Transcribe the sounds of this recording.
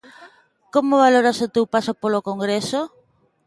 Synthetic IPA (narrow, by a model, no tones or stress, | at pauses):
komoβaloɾasot̪ewpasopolokoŋɡɾeso